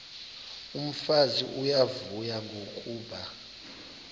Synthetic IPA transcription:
um̩faziʔujavujaŋɡʱokʼuːɓa

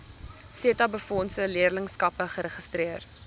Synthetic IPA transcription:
siətɐbəfɔnsəliərləŋskɐpəχəɾəχəstriər

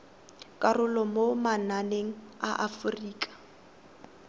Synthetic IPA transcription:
kʼarʊlɔmomananeŋ̩aʔafʊriːkʼḁ

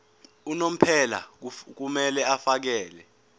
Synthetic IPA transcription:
unom̩pʰɛla̰k̬umɛlɛafak̬ɛːlɛ

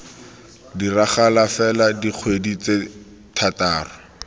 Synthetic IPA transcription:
diraχalafɛladiq͡χʰwedit͡se | tʰataːrʊ

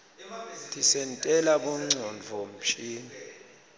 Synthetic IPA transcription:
tʼisɛntʼɛlaɓɔŋ͡ǀʱɔɱvʱɔm̩t͡ʃʰiːni

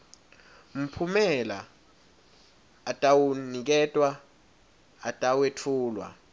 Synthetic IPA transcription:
m̩pʰumɛla | tʼawunik̬ɛtʼwa | atʼawetʰuːlwa̰

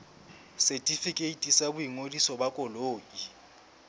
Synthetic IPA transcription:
sɛtʼifikʼeitʼisabujiŋolisɔbakʼɔloːʔʼi

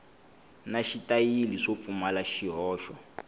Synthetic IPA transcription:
naʃitʼajiliʂop̪fumalaʃiɦɔːʃɔ

